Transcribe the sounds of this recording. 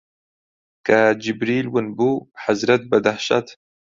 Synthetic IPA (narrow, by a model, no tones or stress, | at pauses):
kad͡ʒibɾiːlwɨnbuħazɾɐt̪̚bɐd̪aħʃɐ̰t̪